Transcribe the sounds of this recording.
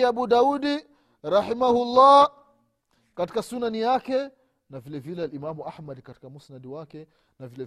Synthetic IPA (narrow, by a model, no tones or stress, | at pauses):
aɓuɗauɗi | ɾaħimahulːa | kati̥kasunanijakɛ | navilɛvilɛalimamuʔahmadkati̥kamusnaɗiwakɛ | navilɛ